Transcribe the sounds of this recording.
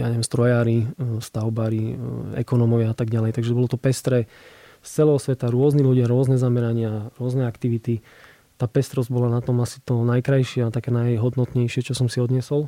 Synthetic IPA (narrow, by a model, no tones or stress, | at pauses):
aɲɛʋɛmst̪ɾɔjaːɾist̪aʊbaɾiɛ̰kɔnɔmɔʋɪaat̪aɡɟalɛjt̪aɡʒɛbɔlɔt̪ɔpɛst̪ɾɛ | st͡sɛlɛɦɔsʋɛt̪aɾʊɔzniluɟɪaɾʊɔznɛzamɛɾaɲɪaɾʊɔznɛakt̪iʋit̪i | t̪aːpɛst̪ɾɔzɟbɔlanat̪ɔmasi̥t̪ɔnajkɾajʃɪɛat̪akɛːnajɦɔd̪nɔt̪ɲɛjʃɪɛt͡ʃɔsɔmsiɔd̪ɲɛsɔl